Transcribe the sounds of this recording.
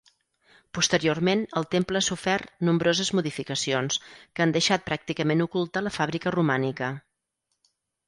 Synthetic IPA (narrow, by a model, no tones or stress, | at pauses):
pust̪əɾiormenəlˠt̪empləasufɛrnumbɾozəzmuðifikəsionskand̪əʃat̪̚pɾak̚t̪ikəmenukulˠt̪aləfaβɾikərumanikə